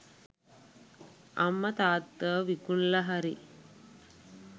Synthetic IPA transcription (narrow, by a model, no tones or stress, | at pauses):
ɐmːət̪aːt̪ːəʋikunlɐɦaɾi